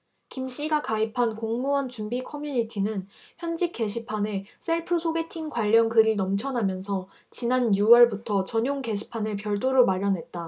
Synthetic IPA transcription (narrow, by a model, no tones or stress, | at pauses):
kimɕ͈iɡakaipʰankoŋmuʌnt͡ɕumbikʰʌmjuɲitʰinɯnçjʌnd͡ʑik͈e̞ɕʰipʰane̞s͈ʰe̞ɭpʰɯsʰoɡe̞tʰiŋkwaʎːʌnkɯɾinʌmt͡ɕʰʌnamjʌnsʰʌ | t͡ɕinanjuwʌɭbutʰʌt͡ɕʌɲjoŋke̞ɕʰi̥pʰanepjʌɭt͈oɾomaɾjʌnɦe̞t̚t͈a